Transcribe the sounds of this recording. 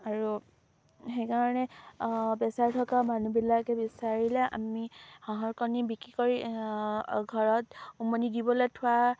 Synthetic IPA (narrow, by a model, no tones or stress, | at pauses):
aɹu | xejkaɹɔnɛ | bɛsaɹtʰɔkamanubilakɛbisaɹilɛʔa̰mihɔ̃ɦɔkɔnibikɹikɔɹi | ɡʱɔɹɔtumɔnidibɔletʰʊwa